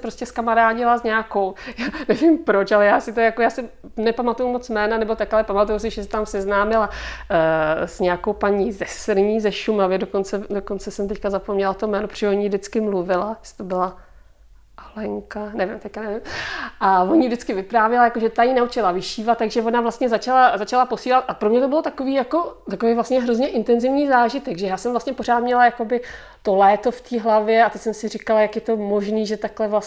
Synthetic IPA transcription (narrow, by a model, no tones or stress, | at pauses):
spɾo̞scɛskamaɾaːɟɪlazɲaako̞wjaːnɛvimpɾo̞t͡ʃalɛjaːsɪt̪ojakojaːsɪ | nɛpamat̪ujumot͡smɛːnanɛbo̞t̪akalɛpamat̪ujus̬ɪʒɛsɪ̥t̪amsɛznaːmɪla | z̥ɲɛako̞wpaɲizɛsɾɲiːzɛʃumavɪdoko̞nt͡sɛdo̞ko̞nt͡sɛsɛmt̪ɛckazapomɲɛlat̪omɛːnopɾo̥t͡ʃːɛʒɛoɲivdɪt͡skɪmluvɪlast̪obɪla | ʔalɛŋkanɛvɪmt̪ɛckanɛvɪmʔavoɲidɪt͡skɪvɪpɾaːvjɛlajakoʒɛt̪ajinaut͡ʃɪlavɪʃiːvat̪̚t̪ːaɡʒɛvo̞navlast̪ɲɛzat͡ʃalazat͡ʃalapo̞siːlat̪̚ʔapɾomɲɛt̪obɪlot̪ako̞viːjako̞t̪akovejvlast̪ɲɛɦɾozɲɛʔɪnt̪ɛnzɪvɲiːzaːʒɪt̪ɛɡʒɛjaːsɛmvlast̪ɲɛpo̞ɾ̝aːt̪mɲɛlajako̞bɪ | t̪o̞lɛːt̪o̞ft̪iːɦlavjɛat̪ɛcsɛmsɪrikalajakjɛt̪o̞mo̞ʒniːʒɛt̪aklɛvlas